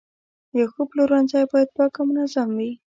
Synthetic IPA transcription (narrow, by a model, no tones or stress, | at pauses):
jaxuploɾwanzajbɑjad̪̚pɑkamʊnazamwi